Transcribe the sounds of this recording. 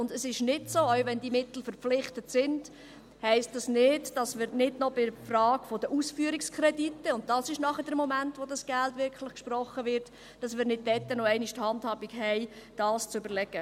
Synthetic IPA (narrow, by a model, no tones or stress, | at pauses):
ʊndəsɪʃnɪtsoːœwvɛndimɪt̪l̩fəɾp͡flɪχtətsɪnd̥ | hɛɪst̚d̥ɑsnɪdd̥ɑsmɪːɾnɪdnɔbɪfrɑːɡ̥fodəʔusfyːəɾɪkskʰɾɛditːəʊnt̚d̥ɑsɪʃnɑχədəɾmɔmæntʋodɑsɡ̥æltʋɪkχlɪχkʃprɔχːəʋɪɾt | d̥ɑsmɪːɾnɪd̚d̥ɛtːənoɛɪniʃthɑnthɑːbikhɛɪd̥ɑːst͡sʏbəɾlɛɡ̥ə